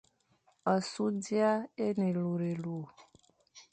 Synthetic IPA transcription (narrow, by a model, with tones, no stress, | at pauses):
ɔ˨su˦di˦a˦e˦nẽ˨lu˨ɾe˨lu˨